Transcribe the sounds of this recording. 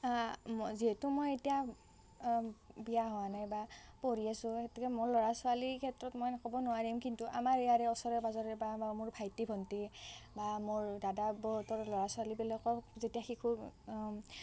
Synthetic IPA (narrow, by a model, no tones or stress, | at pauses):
ziɦɛtumojetija | bijaɦɔanajbapoɹiasʊ̃etɛkɛmʊɹlɔɹasʊalikʰɛtɹɔtmɔjnakɔbɔnʊwaɹiumkintuʔa̰maɹejaɹɛɔsɔɹɛbazɔɹɛbamʊɹpʰajtibʱɔntibamʊɹdadabɔɦutɔɹlɔɹasʊalibilakɔzetiaxikʰu